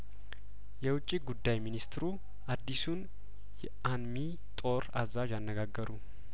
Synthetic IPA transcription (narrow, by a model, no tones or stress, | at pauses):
jɛwʊt͡ʃʼːiɡud̪ːajminist̪ɾu | ʔad̪ːisun | jɛʔanmi | t̪ʼo̞ɾazaʒanːəɡaɡːəɾu